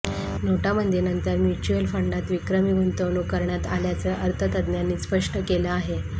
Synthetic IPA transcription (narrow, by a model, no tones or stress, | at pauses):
noʈamənd̪ʱjenənt̪əɾmjut͡ɕuəlfəɳɖat̪ʋikɾəmiɡunt̪əʋɳukəɾɳjat̪aljat͡səʔəɾt̪ʰət̪əd̪njanːiːspəʂʈəkeləaɦe